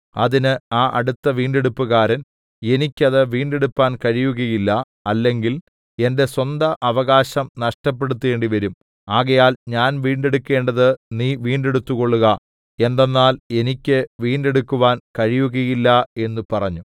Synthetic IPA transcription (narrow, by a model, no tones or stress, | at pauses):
ɐðinɨaːʔɐɽut̪ːɐʋiːɳɖe̞ɽupːuɣaːɾɐn | e̞nikʲːɐðɨʋiːɳɖe̞ɽupːaːnkɐɻijuɣɐjilːɐ | ɐlːe̞ŋɡil | e̞nde̞swɐnd̪ɐʔɐʋɐɣaːɕɐmnɐʂʈɐp̬ːe̞ɽut̪ːe̞ːɳɖiʋɐɾum | aːɣɐjaːlɲaːnʋiːɳɖe̞ɽukːe̞ːɳɖɐðɨniːʋiːɳɖe̞ɽut̪ːuɣo̞ɭːuɣɐ | e̞nd̪enːaːle̞nikʲːɨʋiːɳɖe̞ɽukːuʋaːnkɐɻijuɣɐjilːɐe̞nːupɐrɐɲːu